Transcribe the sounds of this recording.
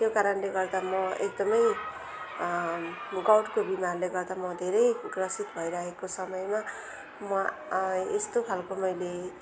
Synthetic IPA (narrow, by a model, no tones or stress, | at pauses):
t̪jokaɾʌnleɡʌrd̪amʌek̚d̪ʌmʌj | ɡʌwʈkobimarleɡʌrd̪amʌd̪ʱeɾʌjɡrʌsit̪bʱʌjɾʌɦekosʌmʌjma | mʌ | est̪opʰalkomʌjle